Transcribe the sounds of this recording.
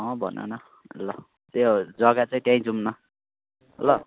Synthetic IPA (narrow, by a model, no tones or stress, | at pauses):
ʌbʱʌ̰no̰nʌ | ʌ̰lːʌ | t̪ed͡zʌɡat͡saĩt̪jaĩd͡zumnʌ | ʌlʌ